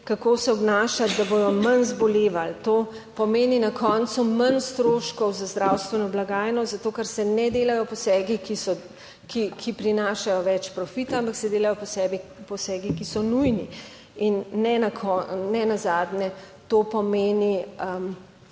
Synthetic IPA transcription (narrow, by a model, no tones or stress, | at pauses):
kakoːsɛɔbnaːʃat̪d̪aboj̪ɔmɐnzbɔleːʋalt̪o | pɔmeːninakʰɔnt̪sumanst̪ɾoːʃkɔwzazd̪ɾawst̪ʋɛnɔblaɡaːjnɔzat̪oːkɐɾsɛnɛd̪eːlajɔpɔsɛːɡikisɔ | kikʰipɾinaːʃajɔʋɛt͡ʃpɾɔfit̪aampaksɛd̪eːlajɔpɔsɛːbipɔsɛːɡikisɔnujni | inːɛnakʰɔnɛnazaːd̪nɛt̪opɔmeːniəm